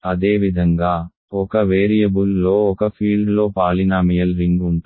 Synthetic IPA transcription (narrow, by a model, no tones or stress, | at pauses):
ɐd̪e̞ːʋid̪ʱɐŋɡaː | ɔkɐʋeːɾijɐbulːo̞ːɔkɐpʰiːɭɖlo̞ːpaːlinaːmijɐlɾiŋɡuɳʈu